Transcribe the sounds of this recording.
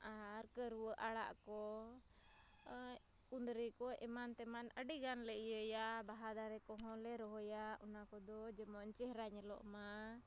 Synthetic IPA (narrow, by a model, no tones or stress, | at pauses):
aɾkəɾuwəʔaɽa̰ʔkɔ | kund̪ɾikɔʔɛmant̪ɛmanəɖiɡanləʔijəjabaɦad̪aɾɛkɔ̃ɦɔ̃lɛɾɔɦɔjaɔnakɔd̪ɔd͡ʒɛmɔɲt͡ʃɛhɾaɲlɔ̰ʔma